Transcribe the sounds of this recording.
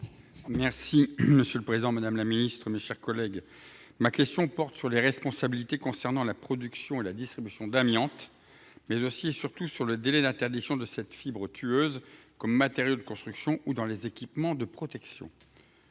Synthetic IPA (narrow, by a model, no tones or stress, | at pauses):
mɛʁsiməsjøləpχezid̪ɑ̃mad̪amlaminist̪χəmeʃɛʁkɔlɛɡ | makʲɛst̪jɔ̃pɔʁt̪syʁleʁɛspɔ̃sabilit̪ekɔ̃sɛʁnɑ̃lapχɔd̪yksjɔ̃elad̪ist̪χibysjɔ̃d̪amjɑ̃t̪ | mɛzosiesyʁt̪usyʁləd̪elɛd̪ɛ̃t̪ɛʁd̪iksjɔ̃d̪əsɛt̪fibʁət̪ʰyøzkɔmːat̪eʁjod̪əkɔ̃st̪χyksjɔ̃ud̪ɑ̃lezekʲipmɑ̃d̪əpχɔt̪ɛksjɔ̰̃